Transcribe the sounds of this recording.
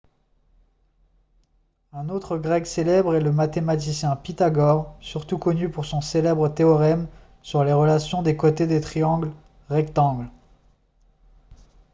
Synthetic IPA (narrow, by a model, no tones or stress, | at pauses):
ɛ̃not̪χəɡʁɛkselɛbʁɛləmat̪emat̪isjɛ̃pit̪aɡɔʁsyʁt̪ukɔnypuʁsɔ̃selɛbʁət̪eɔʁɛm | syʁleʁəlasjɔ̃d̪ekot̪ed̪et̪χijɑ̃ɡl | ʁɛkt̪ɑ̃ɡl